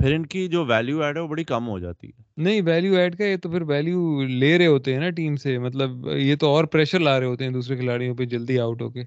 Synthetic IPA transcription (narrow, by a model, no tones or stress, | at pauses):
pʰɪɾɪnkid͡ʒoːʋɛːljuːɛːɖɦɛʋobɐɽikɐmɦo̰d͡ʒa̰ːt̪ḭɦɛːnɐɦĩʋɛːljuɛːɖkajet̪opʰɪɾʋɛːljuːleːɾɐɦeɦoːt̪eɦɛ̃naʈiːmsemɐt̪̬ləbjet̪oɔːɾpɾɛːʃəɾlaːɾɐɦeɦoːt̪eɦɛ̃d̪uːsɾekʰɪlaːɽijõped͡ʒɐld̪iaːʊʈɦo̰ːkeː